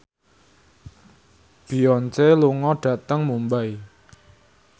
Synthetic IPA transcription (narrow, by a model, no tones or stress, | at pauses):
b̥i̤ɔnt͡ʃeluŋɔɖ̥ä̤t̪əŋmumbaj